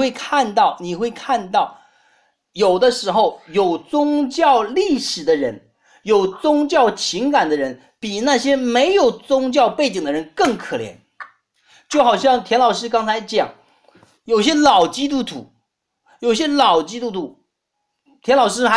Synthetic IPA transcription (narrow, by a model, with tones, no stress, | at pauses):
we˥˧ɪkʰa˥˧nt̪ɑ˥˩ʊni˨˩xwe˥˧ɪkʰa˥˧nt̪ɑ˥˩ʊ | jo˨˩ʊd̪ə˦ʂɻ̩˧˥xo˥˧˩ʊjo˨˩ʊt͡sʊ˥ŋt͡ɕjɑ˥˧ʊli˥˩ʂɻ̩˨˩d̪ə˦ɻə˧˥n | jo˨˩ʊt͡sʊ˥ŋt͡ɕjɑ˥˩ʊt͡ɕʰi˧˥ŋka˨˩nd̪ə˦ɻə˧˥n | pi˨˩na˥˩ɕjɛ˥me˧˥ɪjo˨˩ʊt͡sʊ˥ŋt͡ɕjɑ˥˧ʊpe˥˩ɪt͡ɕi˨˩ŋd̪ə˦ɻə˧˥nkɤ˥˩ŋkʰɤ˨˩ljɛ̰˧˥n | t͡ɕjo˥˩ʊxɑ˨˩ʊɕjɑ˥˩ŋt̪ʰjɛ˧˥nlɑ˨˩ʊʂɻ̩˥k̬ɑ˥ŋt͡sʰa˧˥ɪt͡ɕjɑ˨˩˦ŋ | jo˨˩ʊɕjɛ˥lɑ˨˩ʊt͡ɕi˥t̪̬u˥t̪ʰṵ˧˥ | jo˨˩ʊ˩ɕjɛ˥lɑ˨˩ʊt͡ɕi˥t̪u˥t̪ʰu˧˥ | t̪ʰjɛ˧˥nlɑ˨˩ʊʂ̬ɻ̩˥xa˧˥